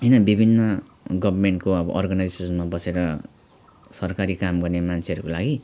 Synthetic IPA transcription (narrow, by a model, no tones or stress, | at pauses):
ɦʌjnʌbibʱinːʌ | ɡʌbʱʌrmeɳʈ̚koʌbʌ̰ʔɔrɡanajzsisʌnmabʌseɾʌ | sʌrkaɾikamɡʌrnemant͡sʰeʌɾukolaɡi